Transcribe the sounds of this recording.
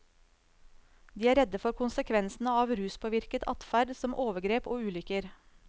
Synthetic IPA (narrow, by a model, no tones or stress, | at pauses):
d̪iːæːɾɛd̪əfɔɾkʰʊnsəkʰʋɛnsn̩əɑːʋɾʉːspʰoːʋɪɾkət̪ʰɑ̰t̪fæɖsɔmʔoːʋəɡɾeːpoːʉːlʏkəɾ